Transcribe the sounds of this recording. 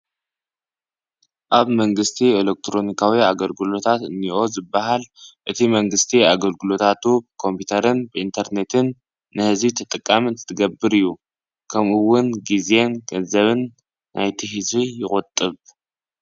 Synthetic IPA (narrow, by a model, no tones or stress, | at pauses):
ʔaβmɐŋɡɨst̪ʰielek̚t̪ʰɾo̞nikʰawiaɡɐlɡɨlo̞t̪ʰat̪ɨ̰nːiʔo̞zɨbːaɦalʔɨt̪ʰimɐŋɡɨst̪ʰiaɡɐlɡɨlo̞t̪ʰat̪ʰubkʰo̞mpʰut̪ʰɐɾɨnbɨʔint̪ʰɐɾne̞t̪ʰɨnː | ɨhɨzit̪ʰɐt̪ʼɨkʼːamɨnt̪ʰɨt̪ʰɨɡɐbːɨɾɨjːu | kʰɐmɨwːʊnɡizenɡ̥ɐnzɐβɨnː | ʔajt̪ʰiɦizijɪkʼʊt̪ʼːɨβ